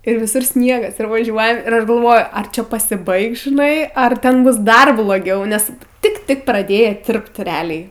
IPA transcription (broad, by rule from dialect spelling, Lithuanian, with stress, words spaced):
ɪr ʋʲɪˈsʊr ˈsʲnʲiɛɡɐs ɪr ʋɐˈʒʲuɔjɛm ɪr ˈɐʃ ɡɐlˠˈʋoːjʊ ɐr ˈt͡ʃʲɛ pɐsʲɪˈbɐɪks ʒʲɪˈnɐɪ ɐr ˈtʲɛn ˈbʊs ˈdɐr blˠoːˈɡʲɛʊ ˈnʲɛs ˈtʲɪk ˈtʲɪk prɐˈdʲeːjɛ ˈtʲɪrpt rʲɛˈɑːlʲɛɪ